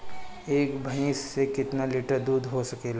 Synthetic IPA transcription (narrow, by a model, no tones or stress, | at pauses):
eːkbʱɐĩsːekɪt̪nalɪʈəɾd̪uːd̪ɦosɐkeːla